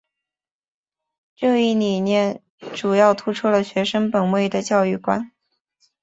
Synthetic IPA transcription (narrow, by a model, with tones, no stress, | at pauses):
ʈ͡ʂɤ˥˧i˥˩ni˨˩njɛ˥˩n | ʈ͡ʂu˨˩jɑ˥˩ʊt̪ʰu˥ʈ͡ʂʰu˥lə˨ɕɥɛ˧˥ʂə˥ŋpə˨˩nwe˥˩ɪd̪ə˩t͡ɕjɑ˥˧ʊy˥˩kwa˥n